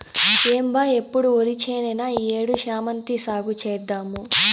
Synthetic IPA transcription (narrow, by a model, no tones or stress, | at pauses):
eːmbajepːuɽuolit͡ʃeːnenɐeːɽuʃaːmɐnt̪isaːɡut͡ʃɛːd̪ːaːmu